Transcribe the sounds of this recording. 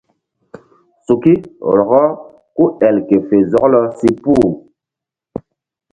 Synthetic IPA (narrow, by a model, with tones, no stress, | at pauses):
su˨ki˦˨lɔ˨ɣɔ˦ | ku˦ɛ˨lke˨fe˨zɔ˨˦klɔ˦si˦puː˦˨